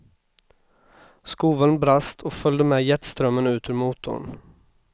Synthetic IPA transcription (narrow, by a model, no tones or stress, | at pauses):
skuːʋənbɾast̪ʰoːfœld̪əmeːjɛt̪st̪ɾœmənʉːt̪ʰʉːɾmuːt̪ʰʊ̰ɳ